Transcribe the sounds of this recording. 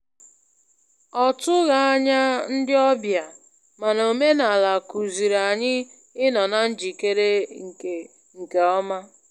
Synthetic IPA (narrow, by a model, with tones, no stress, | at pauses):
ɔ˨tʊ˦ɣa˨a˦ɲa˦n̩˦dɪ˦ɔ˦bja˨ | ma˨no˨me˦na˨la˨ku˨zi˨ɾa˨ɲɪ˦ | ɪ˦nɔ˨na˨n̩˦d͡ʒi˨ke˦ɾe˦ŋ̩˨ke˨ | ŋ̩˨ke˨ɔ˦ma˦